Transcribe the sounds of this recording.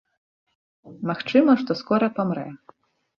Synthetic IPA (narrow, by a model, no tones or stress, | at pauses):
maxt͡ʂɨmɐʂt̪ɔskɔɾɐpamɾɛ̰